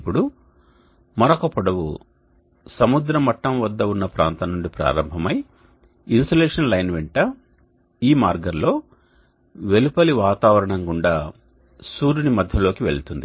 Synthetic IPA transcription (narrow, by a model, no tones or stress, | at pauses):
pːuɽu | mɐɾɐkɐpɔɽɐʋṵ | sɐmud̪ɾɐmɐʈːɐmʋɐd̪ːɐunːɐpɾa̰ːnt̪ɐnːuɳɖipɾa̰ːɾɐmbʱɐmɐj | insɐleːʂɐnlɐjnʋɛɳʈɐ | iːmaːɾɡɐnlo̞ː | ʋe̞lupɐliʋaːt̪aːʋɐɾɐɳɐŋɡuɳɖaː | suːɾunimɐd̪ʱjɐlo̞ːkiʋe̞̰ɭt̪und̪i